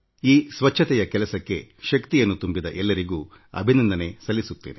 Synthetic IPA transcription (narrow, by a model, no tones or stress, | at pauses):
iːsʋɐt͡ʃʰːɐt̪ɛjɐkɛlɐsɐkːe̞̰ʃɐkt̪ijɐnːut̪umbid̪ɐʔɛlːɐɾiɡuː | ɐ̰bʱinɐnd̪ɐne̞sɐlːisut̪ːe̞̰ːne